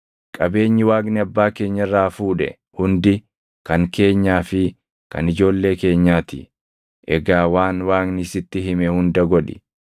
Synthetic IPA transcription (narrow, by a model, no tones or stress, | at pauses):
kʼɐbe̞ːɲːɪwaːɡnɪɐbːaːke̞ːɲːɐɪrːaːfuːᶑɛ̰ | hʊnd̪ɪ | kɐŋke̞ːɲːaːfɪ | kɐ̰nɪd͡ʒo̞ːlːe̞ːke̞ːɲːaːt̪ɪ̰ | ʔɛɡaːwaːnwaːɡnɪsɪt̪ːɪɦɪmɛhʊnd̪ɐɡɔᶑɪ̰